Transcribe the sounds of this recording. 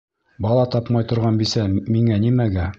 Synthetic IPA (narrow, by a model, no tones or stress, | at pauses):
bɑlˠɑt̪ɑpmɑjt̪ŏɾʁɑnbisæmiŋænimæɡæ